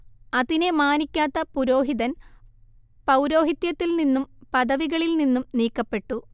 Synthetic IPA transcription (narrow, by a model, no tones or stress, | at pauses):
ɐðinemaːnikʲːaːt̪ːɐpuɾo̞ːɦiðɐn | pɐwɾo̞ːɦit̪jɐt̪ːilninːumpɐðɐʋiɣɐɭilninːumniːkːɐpːe̞ʈːu